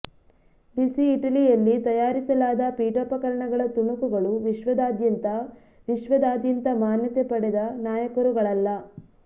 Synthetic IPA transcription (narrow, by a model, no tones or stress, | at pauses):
ɖisiːʈɐlijɐlːit̪ɐjaːɾisɐlaːd̪ɐpiːʈɔpɐkɐɾɐɳɐɡɐɭɐt̪uɳukuɡɐɭuʋiʃʋɐd̪aːd̪jɐnt̪ɐ | ʋiʃʋɐd̪aːd̪jɐnt̪ɐmaːnjɐt̪epɐɽɛd̪ɐnaːjɐkɐɾuɡɐɭɐlːɐ